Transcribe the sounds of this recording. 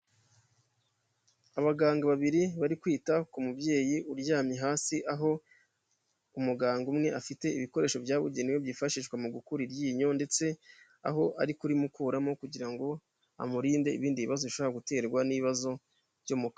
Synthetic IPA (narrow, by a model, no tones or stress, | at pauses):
aβaɡaːŋɡaβaβiɾiβaɾikwiːtakumubɟe̞ːjiuɾjaːmiɦaːsiʔaɦo̞ | umuɡaːŋɡumŋe̞ʔafite̞iβiko̞ɾe̞ːʃo̞bjaːβuɟeniweβjiːfaʃiːʃkwamuɡukuɾiɾjiːɲo̞nde̞t͡se̞ | a̰ɦo̞ʔa̰ɾikuɾimukuːɾamokuɟiɾaŋɡo̞ | a̰muɾiːnde̞ḭβiːndiβiβazoβiʃoβoaɡute̞ːɾɡwaniiβazo̞ | ɾjomuka